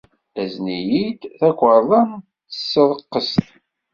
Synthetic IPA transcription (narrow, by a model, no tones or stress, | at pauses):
æznijid̪θækʷːəɾˤðˤɑn | θə̥sːəðˤəqːəst̪